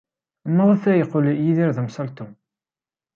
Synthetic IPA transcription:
mːəðˤæθæjəqːoljiðiɾðəmsɑlt̪u

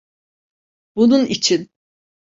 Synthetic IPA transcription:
bununit͡ʃʰin

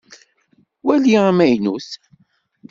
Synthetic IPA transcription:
wæliamæjnuθ

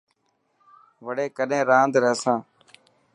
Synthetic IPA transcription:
ʋəɗeːkəɗẽːɾãːnd̪ɾɛːsãː

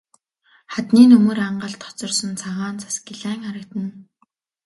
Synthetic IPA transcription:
χat̪niːnɵmɵ̆ɾaɴɢə̆ɮt̪ʰɔ̥t͡sɞ̆rsɞ̆nt͡sʰaʁaːnt͡sʰḁsɡiɮæːŋχaɾə̆kt̪ə̆n

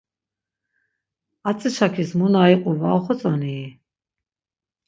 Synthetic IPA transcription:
at͡sʼəʃʰakʰismunaiqʼuvaɔχɔt͡sʼaniː

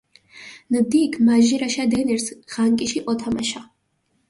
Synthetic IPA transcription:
nəd̪ikʰmaʒiɾaʃad̪ɛniɾsʁ̥aŋkʼiʃiʔɔt̪ʰamaʃa

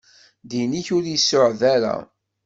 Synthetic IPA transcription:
d̪iniçʊɾisːʊʕðæɾa̰

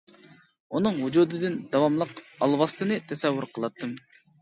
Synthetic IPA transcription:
unɨŋɦud͡ʒuːd̪ɨd̪ɪnd̪ɑwɑmlˠəqɑlˠwɑst̪ɨnɨt̪ʰɛsɛwːʊɾqʰəlˠɑt̪ʰːɨm

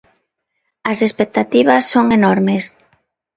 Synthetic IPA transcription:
ɐsespek̚t̪at̪iβɐsːoŋenɔɾmes

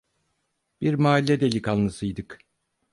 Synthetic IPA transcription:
b̥iɾmaːlʲːɛd̪elʲikalˠmɯsɯjd̪ɯk

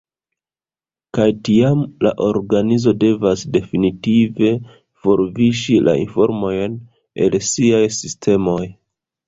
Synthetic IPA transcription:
kajtiamla̰ʔo̞ɾɡanizo̞de̞vasde̞finitive̞ | fo̞ɾviʃilʔa̰ḭnfo̞̰ɾmo̞jn | e̞̰lsiajsistʰe̞mo̞j

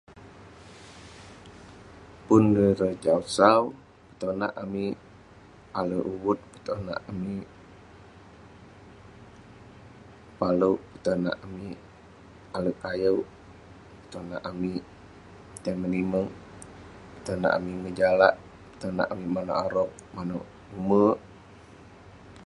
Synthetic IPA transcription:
pundəɾəd͡ʒausaw | pə̥t̪ona̰ʔami | aləʔuwut̪̚pət̪ona̰ʔami | paləwpət̪ona̰ʔami | aləkajəw | pə̥t̪ona̰ʔami | t̪əməniməŋ | pə̥t̪əna̰ʔamiŋəd͡ʒalaʔ | pə̥t̪ona̰ʔamimano̰ʔaɾɔk̚mano̰ʔ | umə

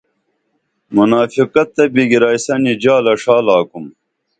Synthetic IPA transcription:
munaːfiqɐt̪ːɐbiɡiɾaːjsɐnid͡ʑaːlɐʂaːlaːkum

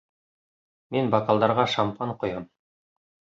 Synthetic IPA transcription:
minbɑkalˠd̪ɑɾʁɑʃampɑɴqŏjɑm

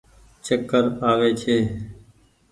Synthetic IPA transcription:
t͡ʃəkːəɾaːʋeːt͡ʃʰeː

